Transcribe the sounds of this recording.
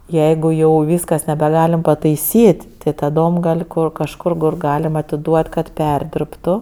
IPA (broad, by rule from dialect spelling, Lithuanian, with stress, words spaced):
ˈjɛɪɡʊ jɛʊ ˈʋʲiːskɐs nʲɛbʲɛˈɡɑːlʲɪm pɐtɐɪˈsʲiːtʲ tʲɪ tɐˈdoːm ˈɡɐlʲ ˈkoː kɐʃˈkʊr kʊr ˈɡɑːlʲɪmɐ ɐtʲɪˈduɔt kɐt ˈpʲɛrʲdʲɪrptʊ